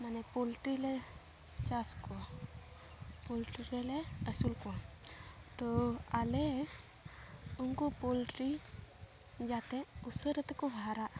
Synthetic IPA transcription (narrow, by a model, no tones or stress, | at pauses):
manepolʈɾile | t͡ʃasko | polʈiɾeleəsulko | t̪ɔale | uŋkopolʈɾi | d͡ʒat̪ẽusəɾət̪kobʱaɾaʔ